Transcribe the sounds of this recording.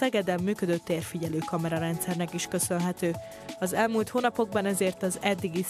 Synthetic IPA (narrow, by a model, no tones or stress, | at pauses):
ɛɡɛd̪ɛmːyːkø̞d̪øt̪ːeːrfiɟɛløːkɒmɛɾɒɾɛnt̪sɛrnɛkiʃkø̞sø̞nɦɛt̪øː | ɒzɛlmuːlt̪hoːnɒpo̞ɡ̚bɒnɛzeːrt̪ɒzɛd̪ːiɡi